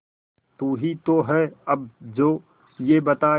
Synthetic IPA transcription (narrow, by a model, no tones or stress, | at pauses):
t̪uːɦit̪oɦɛɐb̚d͡ʒoː | jebɐt̪aː